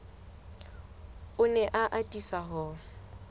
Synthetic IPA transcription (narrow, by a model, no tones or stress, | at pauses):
ʊnɛʔaʔatʼisaɦɔ